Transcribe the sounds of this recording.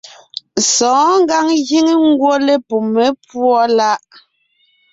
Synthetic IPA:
sɔ̃ː˨˦ŋ˦ɡa˦ŋɣi˦ŋi˦ŋ̩˦ɡwo˦le˦pu˨me˨˦pwɔ˦la˦ʔ

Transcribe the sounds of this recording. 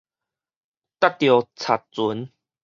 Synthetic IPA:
t̪a˥˦t̚t̪jo˨˩t͡sʰa˨˩t̚t͡su˨˦n

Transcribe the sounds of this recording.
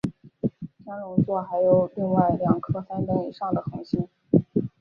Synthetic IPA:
t͡ɕjɑ˥ŋlʊ˧˥ŋt͡swɔ˥˩xa˧˥ɪjo˨˩ʊli˥˧ŋwa˥˩ɪljɑ˨˩ŋkʰɤ˥fa˥np̪ə˥nḭ˨˩ʂɑ˥˩ŋd̪ə˩xɤ˧˥ŋɕi˥n

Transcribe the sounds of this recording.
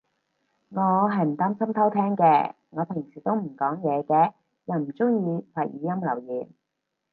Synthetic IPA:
ŋɔː˨˧ɦɐ˨˧jm̩˨˩t̪aː˥msɐ˥mt̪ʰɐ˥wt̪ʰɛː˥ŋkɛː˧ | ŋɔː˨˧pʰɪ˨˩ŋsiː˨˩t̪o˥wm̩˨˩kɔː˨˥ŋjɛː˨˧kɛː˧ | jɐ˨˩wm̩˨˩t͡sʊ˥ŋjiː˧waː˨k̚jiː˨˧jɐ˥mlɐ˨˩wjiː˨˩n

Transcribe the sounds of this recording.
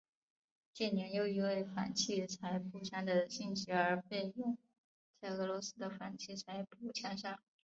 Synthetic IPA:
t͡ɕjɛ˥˩njɛ˧˥njo˧˥ʊi˧˥we˥˩ɪfa̰˨˩nt͡ɕʰi˥˩t͡sʰa˧˥ɪpʰu˥˩t͡ɕʰja˥ŋd̪ə˨ɕi˥˩nɕi˧˥ə˞˧˥fe˥˧ɪjʊ˥˧ŋ | t͡sa˥˩ɪɤ˧˥lwɔ˧˥sɹ̩˥d̪ə˨fa˨˩nt͡ɕʰi˥˩t͡sʰa˧˥ɪpu˥˩t͡ɕʰja˥ŋʂa˥ŋ

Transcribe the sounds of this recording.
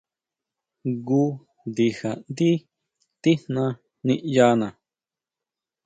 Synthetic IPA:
ɡu˦ | nd̪i˧ha˨nd̪i˦ | t̪i˦hnã˧ | nĩ˧˦ʔja˧nã˨

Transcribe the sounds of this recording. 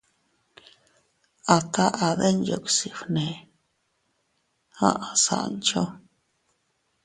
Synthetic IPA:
a˨t̪ʰa˦ʔa˨ðe˦njo̰˧˨ksi˨fnẽ˨ | hã̰˦ʔa˨sa̰˨ʔnt͡ʃo˦

